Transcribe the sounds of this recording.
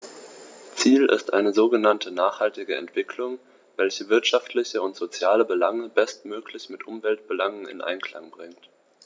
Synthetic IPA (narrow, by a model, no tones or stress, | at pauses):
t͡siːlɪ̰stʔa̰ɪnəzoːɡənantʰənaːχhaltɪɡəɛ̰ntv̥ɪkʰlʊŋ | vɛlçəvɪɐtʃaftlɪçəʊntz̥ot͡sjaːləbəlaŋəbɛstmøːklɪçmɪtʔʊmvɛlt̚b̥əlaŋənɪ̰nʔa̰ɪnkl̥a̰ŋbʁɪŋt